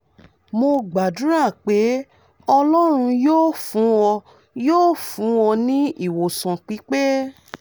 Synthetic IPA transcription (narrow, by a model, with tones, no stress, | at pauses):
mo˧ɡ͡ba˨du˨˦ɾa˦˨k͡pe˨˦ | ɔ˧lɔ˦ɾ̃ũ˧joː˦fũ˨˦wɔ˧ | joː˦˨fũ˨˦wɔ˧nĩ˦i˦˨wo˨sã˨k͡pi˨˦k͡pe˦